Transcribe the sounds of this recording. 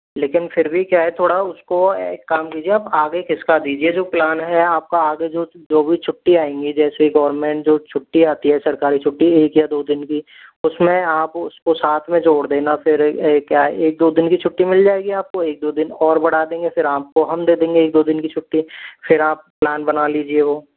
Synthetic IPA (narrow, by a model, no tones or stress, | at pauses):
leːkɪnfɪɾbʱikjaːɦɛt̪ʰoːɽaʊskokːaːmkiːd͡ʒieaːpaːɡekʰɪskad̪iːd͡ʒied͡ʒoːplaːnɦɛaːp̚kaaːɡed͡ʒoːd͡ʒ̪oːbʱit͡ʃʰʊʈːiaːẽːŋɡid͡ʒɛːseɡɐʋəɾmẽːɳʈd͡ʒoːt͡ʃʰʊʈːiaːt̪iɦɛsɐɾkaːɾit͡ʃʰʊʈːieːkjad̪oːd̪ɪnki | ʊsmẽaːpʊskosaːt̪ʰmẽd͡ʒoːɽd̪eːnafɪɾkjaːɛeːk̚d̪oːd̪ɪnkit͡ʃʰʊʈːimɪld͡ʒaːeːɡiaːp̚koeːk̚d̪oːd̪ɪnɔːɾbɐɽad̪ẽːŋɡefɪɾaːp̚koɦɐmd̪eːd̪ẽːŋɡeeːk̚d̪oːd̪ɪnkit͡ʃʰʊʈːifʰɪɾaːp̚ːlaːnbɐnaliːd͡ʒieʋoː